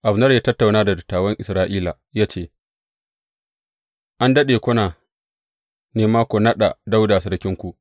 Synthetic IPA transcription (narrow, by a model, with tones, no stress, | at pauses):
ʔa˨bnɐ˦rjaː˦tɐ˦tːa˨wnaː˦da˨dʊ˨tːaː˨wɐ˦ŋʔɪ˨sɾaː˦ʔiː˦la˨jaː˦t͡ʃeː˦˨ | ʔa˦ndɐ˦ɗeː˨kʷʊ˦naː˨ | neː˨maː˦kʷo˨nɐ˦ɗa̰˨da˦wda˨sɐ˦ɽkʲɪ˦ŋkʷu˨ʔ